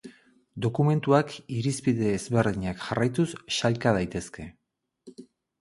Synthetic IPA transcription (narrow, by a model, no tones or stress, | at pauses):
d̪o̞kume̞nt̪uakiɾispiðe̞ːzβe̞ɾðiɲakʝarajt̪usːalkað̞ajt̪e̞ske̞